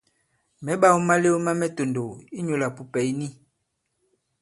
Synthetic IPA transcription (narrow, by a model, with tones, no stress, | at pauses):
mɛ˨˦ɓa˦˨wo˦ma˦le˦o˦ma˦mɛ˦to˨ndo˨i˦ɲo˨la˨pu˨pɛ˨i˦ni˦